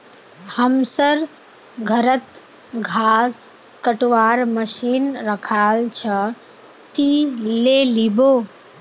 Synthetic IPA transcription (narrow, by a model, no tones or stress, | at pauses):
həmsəɾ | ɡʱəɾət̪ | ɡʱaːs | kəʈʋaːɾməʃiːnɾəkʰaːlt͡ʃʰə | t̪ileːliboː